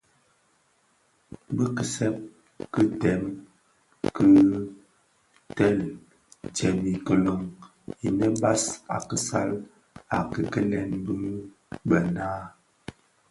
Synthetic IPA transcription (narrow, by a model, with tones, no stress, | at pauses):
bə˦kə˨sɛ˦p̚ | kə˦tɛ˨˦m | kə˦ | tɛ˦˨l | d͡ʒɛ˨mi˨kə˨lo˨ŋ | i˨nɛ˦ba˦sa̰˨kə˨sa˦l | a˨kə˨kə˦lɛ˨nbɨ˦ | bə˨naː˦